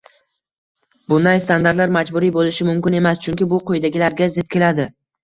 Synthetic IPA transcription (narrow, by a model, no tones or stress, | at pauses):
bʊnd̪ajst̪and̪aɾt̪laɾmad͡ʒbʊɾijbolɪʃɪmʊmkʲɪne̞mast͡ʃʰʊŋkʲɪbʊqʰojd̪aɡʲɪlaɾɡʲazɪt̪̚kʲe̞lad̪ɪ